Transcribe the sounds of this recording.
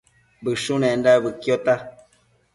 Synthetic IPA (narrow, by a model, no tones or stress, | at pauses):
bɨʂũnẽndaβɨkjot̪a